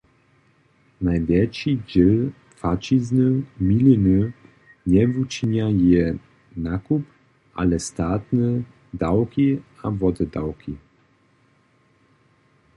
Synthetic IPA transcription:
najvʲjɛt͡ʃid͡ʑɛl | fat͡ʃiznɨmʲilinɨ | ɲɛvut͡ʃiɲajɛ | nakup | ʔa̰lɛst̪at̪nɛ | d̪awkʲiavɔd̪ɛd̪a̰wkʰʲi

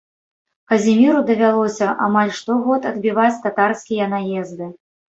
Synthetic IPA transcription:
kɐzʲimʲiɾud̪ɐvʲalˠɔsʲɐʔa̰malʲʂt̪ɔɣɔt̪ɐd̪bʲivat͡sʲt̪at̪arskʲijɐnajɛzd̪ɨ

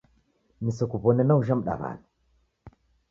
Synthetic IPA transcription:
nisɔkupɔnɛnauʒamɗa̰va̰la

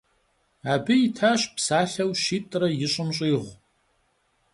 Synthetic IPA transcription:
aːbɨjɪtʰaːɕpsaːɬɐwʃiːtʼrɐjɪɕʼʊmɕʼiːʁʷ

